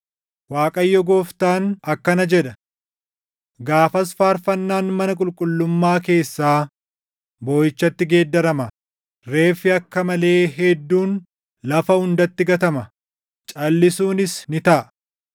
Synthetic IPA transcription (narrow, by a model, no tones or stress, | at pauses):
waːkʼɐjːɔɡoːft̪aːnɐkːɐnɐd͡ʒɛᶑɐ | ɡaːfɐsfaːɾfɐnːaːnmɐnɐkʼʊlkʼʊlːʊmːaːke̞ːsːaː | bo̞ːjɪt͡ʃːɐt̪ːɪɡe̞ːd̪ːɐɾɐmɐ | ɾe̞ːfɪɐkːɐmɐle̞ːɦɛd̪ːuːn | lɐfɐhʊnd̪ɐt̪ːɪɡɐt̪ɐmɐ | t͡ʃʼɐlːɪsuːnɪsnɪt̪ɐʔɐ